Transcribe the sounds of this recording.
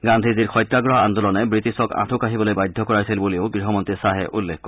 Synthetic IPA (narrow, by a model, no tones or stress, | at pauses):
ɡand̪ʱiziɾxʰɔjt̪ɾaɡɹɔɦɔand̪ulɔnebɹit̪isɔkã̰t̪ʰukaɦibɔlojbajd̪ʱːɔkɔɹasilbulioɡɾiɦɔmɔnt̪isaɦeʔulːḛkːkɔ